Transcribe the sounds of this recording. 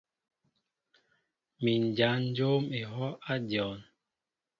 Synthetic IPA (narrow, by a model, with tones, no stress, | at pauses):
mi˨n˨d͡ʒa˨˦n̩˦d͡ʒo˦me˨ɦɔ˦ʔa˦djɔ˨n